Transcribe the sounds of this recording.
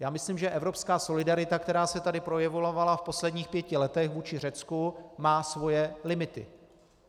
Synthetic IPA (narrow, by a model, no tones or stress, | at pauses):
jaːmɪsliːmʒɛʔɛvɾo̞pskaːso̞lɪdaɾɪt̪akt̪ɛɾaːsɛt̪adɪpɾo̞jɛvolavalafpo̞slɛdɲiːxpjɛcɪlɛt̪ɛxvuːt͡ʃɪr̝ɛt͡skumaːsvo̞jɛlɪmɪt̪ɪ̰